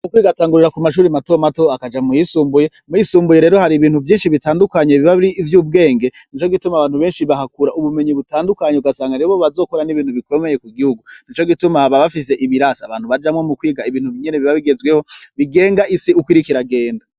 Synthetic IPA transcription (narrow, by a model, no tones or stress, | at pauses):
kukwiːɡataːŋɡuɾiɾakumaʃ̬uːɾimato̞mato̞akad͡ʒamujisuːmbuje̞ | mujisuːmbuje̞ɾeɾo̞haɾiβiːn̥huvjiːnʃiβitaːndukaɲe̞βiβaβiɾiːvjuːb̚ɡe̞ːŋɡe̞n̥it͡ʃo̞ɡitumaβaːnhuβeːnʃiβahakuɾauβume̞ɲiβutaːndukaɲeuɡasaːŋɡaɾeβo̞βazo̞ːkoɾaniβiːn̥huβiko̞me̞je̞kuɡihuɡun̥it͡ʃo̞ɡitumaβaβafise̞ʔiβiɾasaβaːn̥huβad͡ʒamwemukwiːɡaiβiːn̥huβiɲeneβiβaβiɡe̞zwe̞ho̞βiɡe̞ːŋɡaisiukwiɾikiɾaɡe̞ːnda